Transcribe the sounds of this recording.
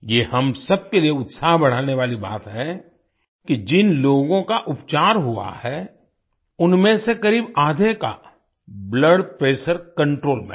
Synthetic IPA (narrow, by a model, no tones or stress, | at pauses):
jeːhɐmsɐb̚kelieʊt̪saːɦbɐɽ̤aːneʋaːliba̰ːt̪ɦɛ | kid͡ʒɪnloːɡõkaʔʊpt͡ʃaːɾɦua̰hɛ | ʊnmẽsekɐɾiːbaːd̪ʱeka̰ | bləɖpɾeːsəɾkɐ̃ɳʈɾoːlmɛ̰̃